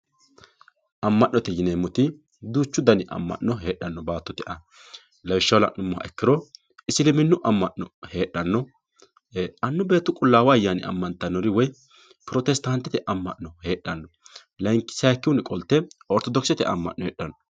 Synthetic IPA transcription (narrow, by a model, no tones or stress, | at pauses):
ʔɐmːɐʔnːɔt̪ɛjɪneːmːɔt̪ɪ | d̪uːt͡ʃːʊd̪ɐnɪʔɐ̰mːɐ̰ʔːɔɦe̞ːɗːɐnːɔbaːt̪ːɔt̪ɪʔɐ | lɐwɪʃːɐwlɐ̰ʔnʊmːɔɐ̰ʔɛkːɪɾɔ | ɪsɪlɪmɪnːʊʔɐmːɐʔːɔhe̞ːɗːɐnːɔ | ɐnːʊbe̞ːt̪ːʊkʼʊlːaːwɐjanɪ̰ɐ̰mːɐnt̪ːɐnːɔɾɪwɔj | pɾɔt̪ɛst̪ant̪ːɛt̪ɛʔɐmːɐʔːɔhe̞ːɗːɐnːɔ | lɐŋkːɪ̥saːkːɪwʊnɪkʼɔlt̪ːɛɔɾt̪ɔd̪ɔksɛt̪ɛ̰ʔɐ̰mːɐ̰ʔːɔheːɗːɐnːɔ